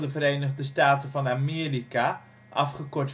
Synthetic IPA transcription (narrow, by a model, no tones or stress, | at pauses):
dəvəɾejnəχdəstaːtənvɑnamɪːrika | ʔɑfχəkɔɹt